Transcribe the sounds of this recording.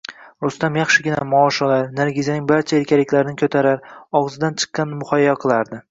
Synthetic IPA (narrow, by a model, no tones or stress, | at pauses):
ɾʊst̪amjɑχʃɪɡʲɪnamɒːʃɒlaɾnaɾɡʲɪzanɪŋbaɾt͡ʃʰaeɾkʲʰalɪkʲlaɾɪnɪkʲʰɵt̪ʰaɾaɾɒʁzɪd̪ant͡ʃʰɨ̥qːɑnmʊχɒjːaqʰɨlˠaɾd̪ɪ